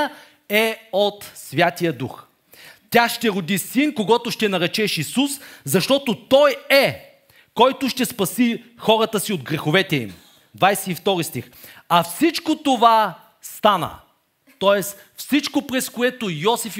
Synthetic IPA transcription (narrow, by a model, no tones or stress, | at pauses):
ɛot̪svʲjat̪ijəd̪ux | t̪ʲaʃt̪ɛɾod̪isinkoɡɔt̪oʃt̪ɛnɐɾɛt͡ʃɛʃisuszɐʃt̪ɔt̪ot̪ɔjɛ | kɔjt̪ʊʃt̪ɛspɐsixɔɾət̪əsiod̪ɡɾɛxovɛt̪ɛḭm | d̪vajsɛift̪ɔɾist̪ixɐfsit͡ʃkot̪ova | st̪anə̰ | t̪ɔɛs | fsit͡ʃkopɾɛskoɛt̪ojɔsif